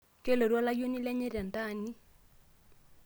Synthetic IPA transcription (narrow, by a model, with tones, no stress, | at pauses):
ke˦le˨ɾwa˦la˦jo˦ni˦lɛ˦ɲe˦ɾa˨nta˦˨ni˦